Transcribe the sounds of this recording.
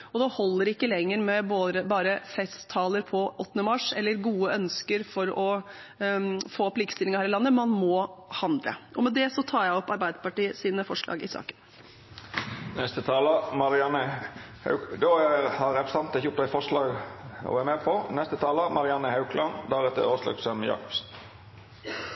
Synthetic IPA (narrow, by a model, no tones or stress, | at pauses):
ɔd̪ɛhɔlːəɾɪkːəlɛŋːəɾmɛboːd̪ɾəbɑːɾəfɛst̪ʰːɑːləɾpʰɔʔɔt̪ːnəmɑʂɛlːəɾɡuːəœnskəɾfɔɾɔ | foːɔpːliːkə̥st̪ɪlɪŋɑhæːɾɪlɑnːəmɑnmɔhɑnd̪ɾə̰ʔɔmɛd̪ɛsɔt̪ʰɑːɾjæɪɔpːɑɾbæɪd̪əpɑʈiːəsiːnəfɔʂlɑ̰ːɡɪ̰sɑ̰ːkən | nɛst̪ət̪ʰɑːləmɑɾɪɑnəhɑ̰ʉd̪ɔæhɑɾɾɛpɾəsɑnt̪ɪçʊp̪æɪfɔʂlɑːɡɔ̰ʋæɾmɛːpʰɔnɛst̪ət̪ʰɑːləmɑɾɪɑnːəhɑʉkʰlɑnd̪æɾɛt̪ːə̰oːslɑ̰ksɛməjɑ̰ːkɔ̥psn